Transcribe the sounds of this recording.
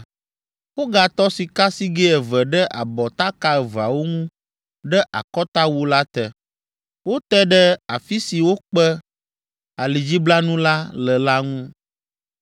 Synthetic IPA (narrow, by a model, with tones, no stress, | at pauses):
wo˦ɡa˨t̪ɔ˦si˨ka˦si˦ɡɛ˦ɛ˨vɛ˨ɖɛ˦ʔa˨bɔ˨t̪a˦ka˦ɛ˨va˨wo˦ŋũ˦ | ɖɛ˦ʔa̰˨kɔ˦t̪a˦wu˦la˦t̪ɛ˨ | wo˦t̪ɛ˦ɖɛ˦a˨fi˦si˨wo˦k͡pɛ˦ | a˨li˨d͡ʑi˦bla˦nũ˦la˦lə˨la˦ŋũ˦